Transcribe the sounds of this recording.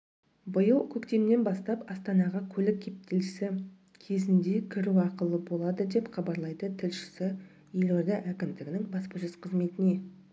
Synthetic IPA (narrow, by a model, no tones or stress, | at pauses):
bʊjəlˠkʲʰɵkt̪e̞mne̞nbɑst̪ɑpɑst̪ɑnɑʁɑkʲʰɵlɪkʲʰːe̞p̚t̪ʰelɪsɪ | kʲʰe̞zɪnd̪e̞kʲʰɪɾuɑqəlˠəbo̞lˠɑd̪əd̪e̞pχɑbɑɾlˠɑjd̪ət̪ʰɪlʃɪ̥sɪ | jeleɾd̪ɪʔækʲɪmd̪ɪɡʲɪnɪŋbɑspəʒəzqʰəzme̞t̪ɪne̞